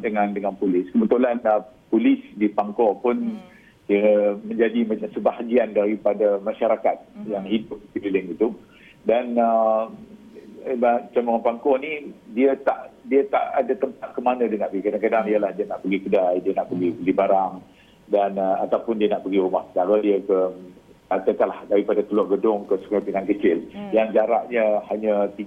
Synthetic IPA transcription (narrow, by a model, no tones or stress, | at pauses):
dəŋãndəŋanpulɪskəbət̪ulanəpulɪsdipaŋkɔpʊn | dəmə̃ɲd͡ʒadimãt͡ʃamsəbaɦaɡiandaɾipadamaʃaɾakat̪̚jaŋhidʊp̚əpililɪŋit̪u | danə | bat͡ʃamapaŋkɔnidiət̪aʔdiət̪a̰ʔadat̪əmpat̪̚kəmanə̃diənaʔbəɡikadaŋkadaŋijəlahdiənaʔpəɡikədajdiənaʔpəɡibəɡibaɾaŋ | danəat̪awpʊndiənaʔpəɡiɾumahkə̥t̪aɾədiəkə | at̪əkalahdaɾipadakəlɔʔɡədʊŋkəsu̥kapinaŋkət͡ʃɪljaŋd͡ʒaɾaʔɲəhaɲət̪i